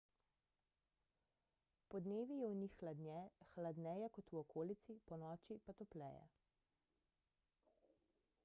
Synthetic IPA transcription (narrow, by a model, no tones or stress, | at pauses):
pɔd̪neːʋijɛwnixːlad̪ɛxlad̪nɛːjɛkɔt̪uɔkʰoːlit̪sipɔnɔːt͡ʃipat̪ɔplɛ̰ːjɛ̰